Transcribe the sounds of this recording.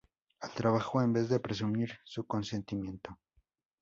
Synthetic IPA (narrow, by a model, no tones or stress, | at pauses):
alt̪ɾaβaxoembe̞zðe̞pɾe̞s̬umiɾsuko̞nse̞nt̪imje̞nt̪o̞